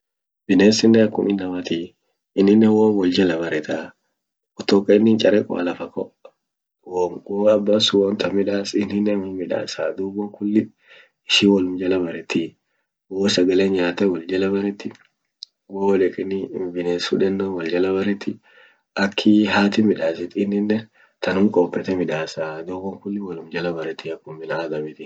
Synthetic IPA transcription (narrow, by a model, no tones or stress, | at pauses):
bɪneːsɪnːɛɐkːʊmɪnːɐmɐt̪i | ɪnːɪnːɛwoːwɔld͡ʒɐlɐbɐɾɛt̪a | ɔt̪ɔkʼːɐɪnːɪnt͡ʃʼɐɾɛkʼɔ̰ʔɐ̰lɐfɐkʼːɔ | wɔwoɐbːasʊwɔnt̪ɐmɪᶑaːsɪnːɪnːɛnhʊmːɪᶑa̰ːsaːd̪ubɔŋkʊlːɪ | ɪʃiwɔlʊmd͡ʒɐlɐbɐɾɛt̪ːɪ | woːsɐɡɐleɲɲaːt̪ɐwɐld͡ʒɐlɐbɐɾɛt̪ːɪ | woᶑɛkʼɪnɪmbɪneːsṵᶑɛnːowɐld͡ʒɐlɐbɐɾɛt̪ːɪ | ʔɐkʰːiɦaːt̪ɪmɪᶑaːsɪt̪ɪnhɪnːɛ | t̪ɐnʊmkʼɔpʼːɛt̪ɛmɪᶑaːsaːd̪uːbɔŋkʊlːɪwɐlʊmd͡ʒɐlɐbɐɾɛt̪ɪɐkːʊmːɪnad̪ɐbɪt̪ɪ